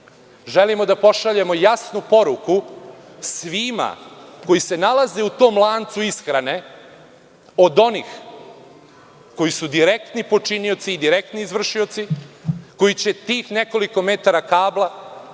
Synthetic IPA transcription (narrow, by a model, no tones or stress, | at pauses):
ʒelimo̞d̪apo̞ʃaʎe̞mo̞jasnupo̞ɾukusʋima̰ko̞jise̞nalˠaze̞ut̪o̞ːmlˠaːnt̪suisxɾane̞ | o̞d̪o̞niːx | ko̞jisud̪iɾe̞k̚t̪nipo̞t͡ʂinio̞t̪siːd̪iɾek̚t̪niːzʋr̩ʃio̞t̪siko̞jit͡ɕe̞t̪iːxne̞ko̞liko̞me̞t̪aɾakaːblˠa